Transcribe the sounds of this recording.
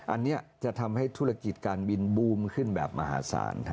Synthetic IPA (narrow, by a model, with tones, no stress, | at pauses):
ʔa˧nːi˦˥ɐt͡ɕa˨˩t̪ʰa˧mha˥˩jt̪ʰu˦˥˩ɾa˧ki˨˩t̪̚kaː˧nbi˧nbuː˧˩mkʰɯ˥˩nbɛː˨˩p̚ma˧ha̰ː˩˦sa̰ː˩˦n